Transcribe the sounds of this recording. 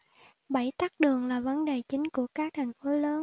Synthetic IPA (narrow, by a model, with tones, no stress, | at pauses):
ɓə˧˩jt̪aː˦˥k̚ɗɨ˨˩əŋlaː˨˩və˨˦nɗe˨˩t͡ɕï˨˦ŋ̟ku˧˩əkaː˦˥k̚t̪ʰa˨˩jŋ̟fo˨˦ləː˨˦n